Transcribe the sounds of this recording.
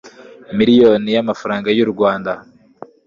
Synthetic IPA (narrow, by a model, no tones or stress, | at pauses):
miɾijo̞nijamafaɾaːŋɡajuɾɡwaːnda